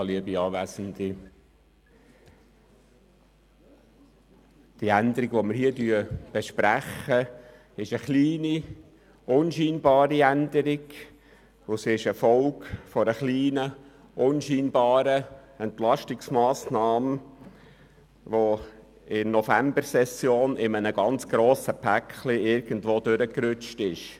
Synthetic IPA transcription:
liəbiɑːʋæːsənd̪i | d̥iænd̪əɾiɡʋomɪɾhiədyəb̥ɛʃpɾæχːə | ɪʃəχliːni | ʊnʃiːnbɑːɾiænd̪əɾɪɡ | ʊsɪʃɛfɔlkfɔɾəχliːnə | ʔʊnʃiːnbɑːɾəɛntlɑʃtɪksmɑːsnɑːmə | ʋo | ɪnnɔfæmbəɾsɛsjoːnɪmənəɡɑnt͡sɡ̥ɾoːsəpʰækχliɪɾɡ̥ən̩dʋoːdøɾəkɾʏt͡ʃtɪʃ

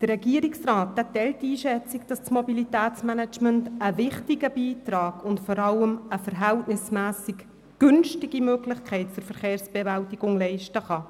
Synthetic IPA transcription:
d̥ərːɛɡiəɾɪksrɑːthɛtːɛltːiːʃɛt͡sikd̥ɑst͡smobilitæːt͡smænɛt͡ʃməntəvɪχtiɡəbiːtrɑːɡʊntfɔɾɑləməfəɾɦæltnɪsmæːsik | ɡ̥ʏnʃtɪɡimøɡlɪχkʰɛɪt̚t͡sʊɾfəɾχeːrsb̥ɛvæltiɡ̥ʊŋlɛɪʃtəχɑ

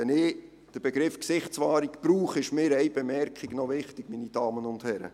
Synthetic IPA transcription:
ɛnɪ | d̥əɾb̥ɛɡɾɪfksɪχtt͡sʋɑːɾikpɾuːχɪʃmɪːɾɛjb̥ɛmɛɾkχiɡ̥nɔʋɪχtɪɡminid̥ɑːmənʊnd̥hɛɾə̰

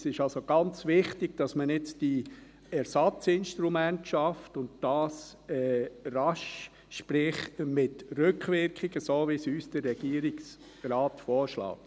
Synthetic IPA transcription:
sɪʃɑlsoɡ̥ɑnt͡sʋɪχtɪɡ̥̚d̥ɑsmənɪt͡sd̥i | ɛɾsɑt͡sɪnʃtɾumæntʃɑftʊntd̥ɑːsɛɾɑʃ | ʃpɾɪχmɪtɾʏkχʋɪɾkχɪɡ̥əsoːʋisyːsd̥ərːɛɡ̥iəɾɪks | ɾɑːtfɔːɾʃlɑ̰ːk̚t

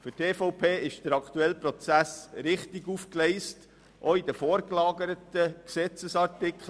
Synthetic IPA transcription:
fʏteːfɔʊpʰeːɪʃd̥əɾɑkʰt̪uɛlpɾɔt͡sæsɾɪχtiɡufklɛɪst | ʔoid̪əfɔːɾklɑːɡəɾətəksɛt͡səsɑrtɪkʰχl

